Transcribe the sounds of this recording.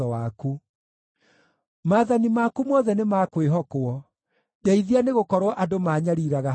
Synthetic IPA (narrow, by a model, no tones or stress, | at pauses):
ɔwaku | maːðanimakumɔːðɛnemakweɦɔkoɔ | daiðianeɣokɔɾwɔʔadomaːɲaɾiɾaɣa